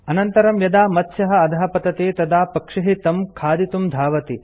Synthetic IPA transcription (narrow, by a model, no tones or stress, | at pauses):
ɐnɐnt̪ɐɾɐmjɐd̪aːmɐt̪ʃɐɦɐ̆ɐd̪ʱaɦɐpɐt̪ɐt̪eːt̪ɐd̪aːpɐkʂɐɦit̪ɐmkʰaːd̪it̪umd̪ʱaːʋɐt̪i